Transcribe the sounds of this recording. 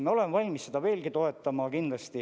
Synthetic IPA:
mɑo̞lenvɑlʲmisse̞d̪̥ɑve̞ːlɡit̪o̞e̞t̪ːˑɑmɑkind̪lɑst̪i

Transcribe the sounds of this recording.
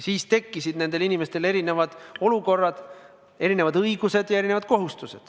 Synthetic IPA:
siːst̪e̞kːisid̪̥ne̞nd̪̥e̞linime̞st̪e̞le̞ɾine̞vɑd̪̥o̞luko̞rːɑd̪̥ | e̞ɾine̞vɑd̪ɤiɡuse̞d̪̥jɑe̞ɾinevɑd̪̥̚ko̞ɦust̪use̞d̪̥

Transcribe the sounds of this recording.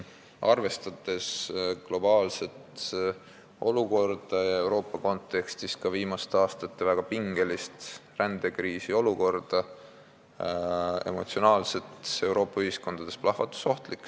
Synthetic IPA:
ʔɑrve̞st̪ɑt̪ːe̞sklo̞bɑːlse̞t̪ | o̞luko̞rd̪̥ɑjɑe̞wɾo̞ːpːˑɑko̞nt̪ːˑe̞kst̪iskɑviːmɑst̪ɑːst̪ɑt̪ːe̞væɡ̥ɑpiŋɡe̞list̪rænd̪̥e̞kɾiːsio̞luko̞rd̪̥ɑ | e̞̰mo̞̰t̪sio̞nɑːlse̞t̪e̞wɾo̞ːpːˑɑyhisko̞nd̪̥ɑd̪̥e̞splɑhvɑt̪ːˑu̥so̞ht̪likː

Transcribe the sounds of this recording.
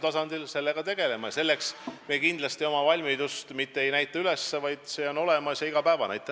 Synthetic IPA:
t̪ɑsɑnd̪̥ilse̞lːeɡ̥ɑt̪e̞ɡ̥e̞le̞mɑjɑse̞lːeksmekind̪lɑst̪io̞mɑvɑlʲmid̪ust̪mit̪ːee̞jnæjt̪ːˑɑyle̞sːevɑjd̪̥se̞ːo̞no̞le̞mɑsjɑiɡ̥ɑpæevɑnæjt̪ːˑɑ

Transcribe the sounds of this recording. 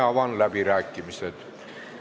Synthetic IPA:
ɑʋɑnlæbiɾæːkːimiset̪

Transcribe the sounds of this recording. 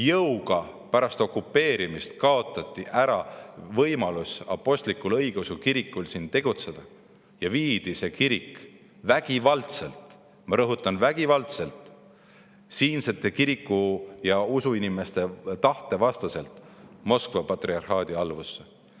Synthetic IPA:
jɤwɡ̥ɑpæɾɑst̪o̞kːˑupːe̞ːɾimist̪̚kɑo̞t̪ːˑɑt̪ˑːiʔæɾɑvɤjmɑlusɑ̰pːˑo̞sʲt̪likːˑulɤjɡ̥eusukiɾikːˑulsint̪e̞ɡ̥ut̪se̞d̪̥ɑ | jɑviːd̪̥ise̞kiɾik | væɡ̥ivɑlt̪se̞lt̪ | mɑɾɤɦut̪ːˑɑnvæɡ̥ivɑlt̪se̞lt̪ˑ | siːnset̪ːˑe̞kiɾikːˑujɑusuinime̞st̪e̞t̪ɑht̪e̞vɑst̪ɑse̞lt̪ˑmo̞skvɑpɑt̪riɑrhɑːd̪̥iɑlvusːe

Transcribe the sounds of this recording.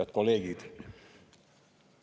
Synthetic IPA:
ɑt̪koleːɡiːt̪

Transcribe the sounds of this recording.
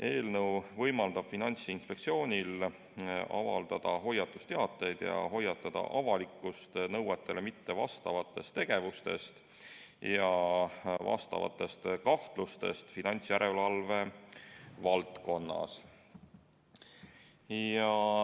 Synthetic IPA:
ʔe̞ːlnɤwvɤjmɑld̪ɑb̥finɑnʲt̪siinspe̞kt̪sio̞ːnʲil | ʔɑ̰vɑ̰ld̪ɑd̪̥ɑɦo̞jɑt̪ːˑust̪e̞ɑt̪ːˑe̞jd̪̥jɑ̰ɦo̞jɑt̪ːˑɑd̪̥ɑ̰ʔɑvɑlikːˑust̪nɤwet̪ˑːe̞lemit̪ːe̞vɑ̰st̪ɑvɑt̪ːˑe̞st̪ːe̞ɡ̥e̞vust̪e̞̰st̪ | jɑ | vɑ̰st̪ɑ̰vɑ̰t̪ːˑe̞st̪kɑht̪lust̪e̞̰st̪finɑnʲt̪sjæɾʔe̞lɑlve̞ | vɑlt̪ko̞nːɑ̰s | jɑ

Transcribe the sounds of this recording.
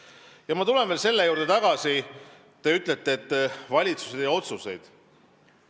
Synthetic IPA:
jɑmɑt̪ule̞nvelse̞lːe̞juːɾd̪̥e̞t̪ɑɡ̥ɑsi | t̪e̞yt̪ˑle̞t̪ːˑeet̪ːvɑlʲit̪suse̞d̪jɑo̞t̪suse̞̰jd̪̥

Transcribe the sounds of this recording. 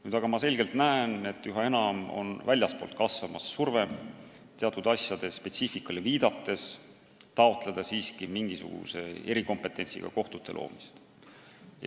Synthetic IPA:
nyːd̪̥ɑɡ̥ɑmɑse̞lɡ̥e̞lt̪næene̞t̪ːˑyɦɑe̞nɑmo̞̰nvælʲjɑspo̞ːlt̪̚kɑsvɑmɑsːurve̞m | t̪eɑt̪ːˑud̪̥ɑsjɑd̪̥e̞spe̞t̪siːfikːˑɑleviːd̪̥ɑt̪ːe̞s | t̪ɑo̞t̪ˑle̞d̪̥ɑsiːskimiŋɡ̥isṵɡ̥ṵse̞e̞ɾiko̞mpe̞t̪ːˑe̞nʲsḭɡ̥ɑ̰ko̞ht̪ut̪ːˑe̞̰lo̰ːmist̪ | j

